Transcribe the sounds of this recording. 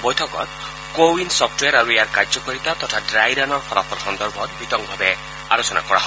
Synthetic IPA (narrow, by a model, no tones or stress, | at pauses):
bɔjtʰɔkɔ̰t̪̚ | kowinsɔpʰtwaɾaɹuejaɹkazɔkoɹit̪at̪ɔtʰadɹajɾanɔɹxʰɔla̰pʰɔlxɔnd̪ɔɹbʱɔt̪̚bʱit̪ɔŋ̚bʱabɛ | a̰ɹosɔna̰kɔɹa̰ɦɔ